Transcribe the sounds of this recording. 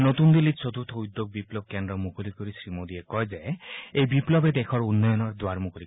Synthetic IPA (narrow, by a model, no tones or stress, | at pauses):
not̪und̪ilit̪̚sot̪ʰut̪ʰɔujd̪ːoɡ̚biplɔb̚kɛndɾɔmukʰolikoɹisɹimod̪iekɔjzɛejbiplɔbɛd̪ɛkʰɔɹunːɔjɔnɔɹd̪waɹmukolik